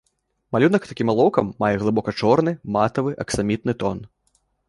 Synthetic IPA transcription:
malʲunɐkt̪akʲimalˠɔwkɐmːajɛɣlˠɨbɔkɐt͡ʂɔrnɨmat̪ɐvɨʔɐksamʲit̪nɨt̪ɔn

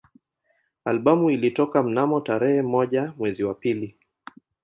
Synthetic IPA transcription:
alɓamuilitɔkam̩namɔtaɾɛhɛmɔʄamwɛziwapili

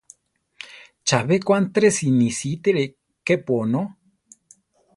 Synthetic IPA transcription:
t͡ʃaβekʷant̪ɾesinisit̪eɾe | kepono

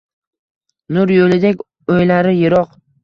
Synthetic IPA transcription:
nʊɾjolɪd̪ekʲ | ojlaɾɪjɪɾɒq

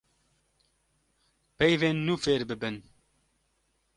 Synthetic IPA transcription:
pɛjveːnːuːfeːɾbɨbɨn

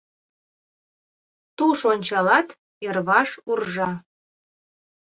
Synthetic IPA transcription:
t̪uʃonʲt͡ɕɑlɑt̪ | erβɑʃurʒɑ

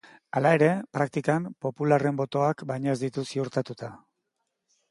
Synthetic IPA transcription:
alae̞ɾe̞pɾak̚t̪ikampo̞pulare̞mbo̞t̪o̞akbajɲozd̪it̪usiuɾt̪at̪ut̪a

